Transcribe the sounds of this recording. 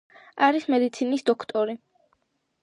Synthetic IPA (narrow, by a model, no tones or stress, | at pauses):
aɾismɛd̪it̪sʰinisd̪ɔkʰt̪ʼɔɾi